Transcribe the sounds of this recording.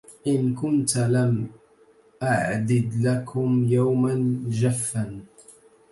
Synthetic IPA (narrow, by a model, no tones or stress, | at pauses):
ʔɪnkʊnt̪lam | ʔaʕd̪ɪd̪lakʰʊmjawmand͡ʒafːan